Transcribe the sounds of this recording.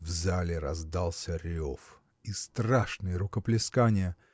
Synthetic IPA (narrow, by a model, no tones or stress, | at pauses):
vzalʲɪɾɐzd̪alˠsʲəɾʲof | ist̪raʂnɨjəɾʊkəplʲɪskanʲɪjə